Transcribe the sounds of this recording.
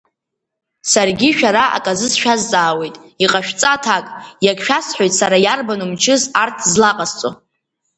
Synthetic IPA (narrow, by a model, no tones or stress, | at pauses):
sarɡʲiʃᶣaɾaa̰kʼazɨzʃᶣazt͡sʼaːwe̞jtʼiqʼaʃᶣt͡sʼatʰakʼjakʃᶣasħʷojtʼsaɾajarbanumt͡ʃʰɨzartʰzlaqʼast͡sʼo